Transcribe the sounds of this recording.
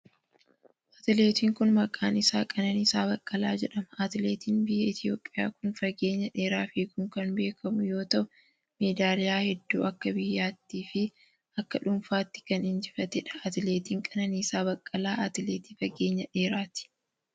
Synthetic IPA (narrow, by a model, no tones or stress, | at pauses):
ʔɐt̪ɪleːt̪iːŋkʊnmɐkʼaːnɪsaːkʼɐnɐnisaːbɐkʼːɐlaːd͡ʒɛᶑɐmɐɐt̪ɪleːt̪iːnbɪjːɐɪt̪ɪjo̞ːpʼːɪjaːkʊnfɐɡe̞ːɲːɐᶑeːɾaːfikʊŋkɐnbe̞ːkʰɐmʊjo̞ːt̪ɐʔʊ | meːd̪aːlɪjaːhɛd̪ːṵːʔɐkːɐbɪjːaːt̪ːiːfɪ | ʔɐkːɐᶑʊmfaːt̪ːɪ̥kɐnɪnd͡ʒɪfɐt̪ɛᶑɐ̥ɐt̪ɪleːt̪iːŋkʼɐnɐniːsaːbɐkʼːɐlaːʔɐt̪ɪleːt̪iːfɐɡe̞ːɲːɐᶑe̞ːɾaːt̪ɪ̥